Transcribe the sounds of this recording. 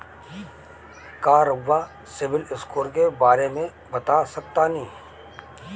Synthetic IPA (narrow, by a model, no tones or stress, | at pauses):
kaːɾəʋːa | sɪbɪlɪskoːɾkebaːɾemẽ | bɐt̪asɐk̚t̪anɐɦĩː